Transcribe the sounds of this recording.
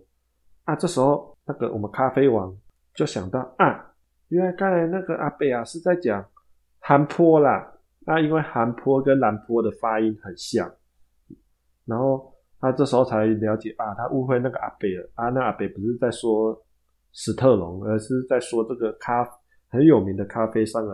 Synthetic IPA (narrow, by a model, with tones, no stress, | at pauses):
a˥˧ʈ͡ʂɤ˥˩ʂ̩˧˥xo˥˧ʊna˥˩ɡə̰˨wɔ˨˩mə˦kʰa˥fe˥ɪwɑ˧˦ŋ | t͡ɕjo˥˩ʊɕjɑ˨˩ŋt̪ɑ˥˩ʊʔa˨˩ | ɥɛ˧˥˦la˧˦ɪkʰa˥˩la˧˥ɪna˥˩ɡə˨ʔa˨˩pe˥˩ɪa˨ʂɻ̩˥˧t͡sa˥˩ɪt͡ɕjɑ˨˩ŋ | ha˧˥npʰwɔ˥la˨ | na˥˧i˥nwe˥˩ɪxa˧˥npʰwɔ˥kə˦˥nla˧˥npʰwɔ˦d̪ə˨fa˥i˦˥nxə˨˩nɕjɑ˥˩ŋ | na˧˥nxo˥˩ʊ | t̪ʰa˥ʈ͡ʂɤ˥˩ʂ̩˧˦xo˥˧ʊt͡sʰa˧˥ɪljɑ˧˥ʊt͡ɕjɛ˨˩ʔa˨˩t̪ʰa˦ʔu˥xwe˥˧ɪna˥˩ɡə˨ʔa˨˩pe˥˩ɪə˨˩ʔa˥˧na˥˩˨a˨˩pe˨˩ɪpu˧˥ʂɻ̩˥˧t͡sa˥˩ɪswɔ˥ | ʂɻ̩˨˩t̪ʰɤ˥˩lʊ˨˧˦ŋə˧˥ʂɻ̩˥˧t͡sa˥˩ɪswɔ˦ʈ͡ʂɤ˥˩ɡə˩kʰa˥f | hə˨˦njo˨˩mi˨˦ŋd̪ə˨kʰa˦fe˥ɪʂɑ˥˩ŋə˨